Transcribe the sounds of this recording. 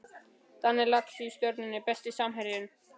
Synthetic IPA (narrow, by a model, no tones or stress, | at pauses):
t̪anːɛlaksyst̪œɾt̪nʏnɪpɛst̪ɪsamɦɛɾjʏn